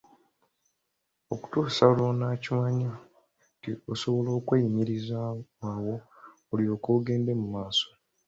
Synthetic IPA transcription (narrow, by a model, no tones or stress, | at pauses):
oku̥tuːsalonaːcimaɲa | ioso̞βo̞lo̞ːkweiɲiɾizaawo̞ː | liɾo̞ːkoːɡe̞ːnde̞mumaːso̞̥